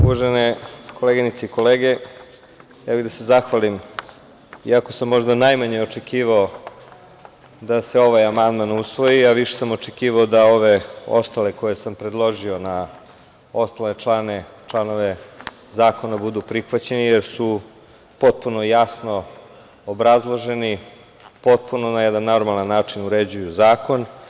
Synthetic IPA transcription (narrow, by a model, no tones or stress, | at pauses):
uʋaʒeneko̞leɡinit̪seiko̞leːɡe | jaːbiɣd̪asezaxʋalim | iako̞samːo̞ʒd̪anajmaɲeo̞t͡ʃekiːʋao | d̪ase̞o̞ʋajamand̪manusʋo̞jiaʋiʃe̥samot͡ʃekiːʋaod̪ao̞ʋe̞o̞̰st̪ale̞ko̞jesampɾed̪lˠo̞ʒio̞na | o̞st̪alet͡ʃlˠanet͡ʃlˠano̞ʋe | zaːko̞nabud̪upɾixʋat͡ɕenijeɾsu | po̞t̪̚puno̞jasno̞ | obɾazlˠo̞ʒe̞ni | po̞t̪̚punonajɛd̪anːo̞ɾmalanːaːt͡ʂinuɾed͡ʑujuzaːko̞n